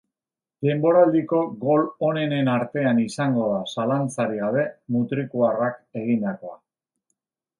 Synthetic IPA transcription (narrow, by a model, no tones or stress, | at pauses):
d̪e̞mbo̞ɾald̪iko̞ɣo̞lo̞ne̞ne̞naɾt̪e̞anisaŋɡo̞ðasalant͡saɾiɣaβe̞mut̪ɾikuarake̞ɣ̞ind̪ako̞a